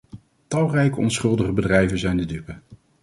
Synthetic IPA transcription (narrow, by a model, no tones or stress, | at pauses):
tɑlˠrɛjkəɔnsχɵlˠdəχəbədrɛjvənzɛjndədypə